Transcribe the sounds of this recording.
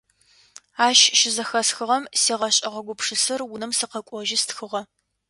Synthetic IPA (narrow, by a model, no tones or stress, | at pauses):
aːʃʃɪzɐxɐsxɨʁɐmseːʁɐɕʼɐʁɐɡʷʊpʰʂɨsɨrwʊnɨmsɨqɐkʷʼɔʒɪstxɨʁɐ